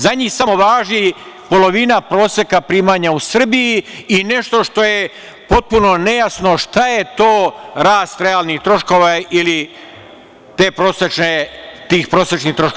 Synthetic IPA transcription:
zaɲiːhsamo̞ʋaːʒi | po̞lo̞ʋinapɾo̞ːsekapɾiːmaːɲausr̩bijiine̞ʃt̪o̞ʃt̪o̞je | po̞t̪̚puno̞ne̞jasnoʃt̪aje̞t̪o̞ːɾaːst̪ɾe̞aːlnixt̪ɾo̞ʃko̞ʋaili | t̪e̞ːpɾoːset͡ʃnet̪iːxpɾo̞ːset͡ʃniht̪ɾoʃko

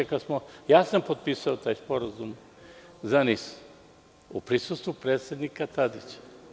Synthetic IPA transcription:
ekasmojaːsampot̪̚piːsaot̪aːjspo̞ɾazum | zanis | upɾisust̪vupɾeːt̪sʲjed̪nikat̪ad̪it͡ɕḁ

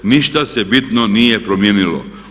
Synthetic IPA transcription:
niʃt̪asebit̪nonijepɾomjeːnilo̰

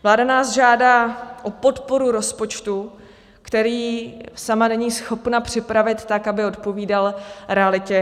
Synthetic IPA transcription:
vlaːdanaːsʒaːdaːʔo̞po̞t̪po̞ɾuɾo̞spo̞t͡ʃt̪u | kt̪ɛɾiːsamanɛɲiːsxo̞pnapr̝̥ɪpɾavɪt̪ːakabɪo̞t̪po̞viːdalɾɛalɪcɛ

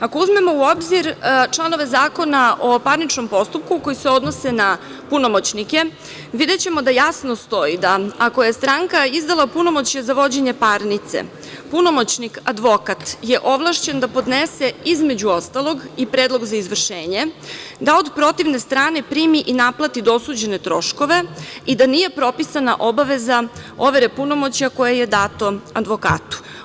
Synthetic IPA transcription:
ako̞uzme̞mo̞uo̞bziɾt͡ʃlˠano̞ʋe̞zaːko̞naopaɾnit͡ʃno̞mpo̞st̪up̚kuko̞jise̞o̞d̪no̞se̞na | puno̞mot͡ɕnike̞ | ʋid̪e̞t͡ɕe̞mo̞d̪ajasno̞st̪o̞id̪aːko̞jest̪ɾaŋkaizd̪alˠapuno̞mo̞t͡ɕjezaʋo̞d͡ʑe̞ɲe̞paɾnit̪sḛ | puno̞mo̞t͡ɕnikad̪ʋo̞kat̪je̞ʔo̞ʋlˠaʃt͡ɕend̪apo̞d̪neseizme̞d͡ʑuo̞st̪alˠo̞ɡipɾeːd̪lˠo̞ɡzaizʋr̩ʃeːɲed̪ao̞d̪pɾo̞t̪iʋne̞st̪ɾaːnepɾiːmiʔinaplat̪id̪osuːd͡ʑe̞ne̞t̪ɾo̞ʃko̞ʋe̞id̪anije̞pɾo̞pisanaʔobaʋe̞zao̞ʋeɾepuno̞mo̞t͡ɕjako̞jeje̞d̪aːt̪o̞ad̪ʋo̞ka̰ːt̪u̥

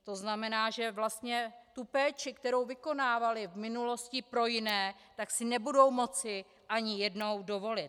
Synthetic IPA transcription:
t̪o̞znamɛnaːʒɛvlast̪ɲɛt̪upɛːt͡ʃɪkt̪ɛɾo̞wvɪko̞naːvalɪvmɪnulo̞scɪpɾo̞jɪnɛː | t̪aksɪnɛbudo̞wmo̞t͡sɪ | ʔaɲɪjɛdno̞wdo̞vo̞lɪt̪

